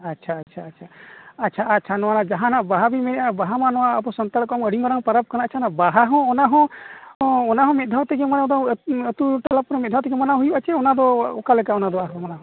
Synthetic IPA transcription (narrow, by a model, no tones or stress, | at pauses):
atːt͡ʃʰaːt͡ʃʰaːtːt͡ʃʰaɐʃʰaːtːt͡ʃʰanɔwanad͡ʒaɦãnaʔbaɦabimɛnɛʔabaɦamanɔwaːpɔsɔnt̪aɽkɔməɽiŋaɾaŋpaɾap̚kanaat͡ʃʰanaʔbaɦaɦɔ̃ɔnaɦɔ̃ | ɔnaɦɔ̃mɛt̪̚d̪ʱawt̪ɛɡɛmanad̪ɔət̪uʈalapɾɛmɛt̪̚d̪ʱawt̪ɛɡɛmanaɦujuʔat͡ʃɛɔnad̪ɔɔkalɛkaɔnad̪ɔaɦɔmanaɦɔ̃